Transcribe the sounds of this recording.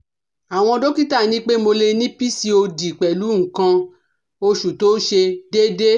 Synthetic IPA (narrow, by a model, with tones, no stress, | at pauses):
a˨w̃ɔ̃˧do˦ki˦ta˦˨nĩ˦k͡pe˦mo˧le˧nĩ˦pi˦si˧˦o˧di˨k͡pɛ˨lu˨˦ŋ̩˨kã˧ | o˧ʃu˨to˨˦ʃe˧de˦de˦